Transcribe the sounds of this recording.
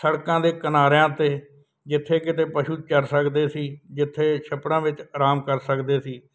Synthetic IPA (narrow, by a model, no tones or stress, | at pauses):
səɽkãːd̪eːkənaːɾjãːt̪eː | d͡ʒɪt̪ʰːeːkɪt̪eːpəʃuːt͡ʃəɾsəkd̪eːsiːd͡ʒɪt̪ʰːeːʃəpɽãːʋɪt͡ʃːɾaːmkəɾsəkd̪eːsiː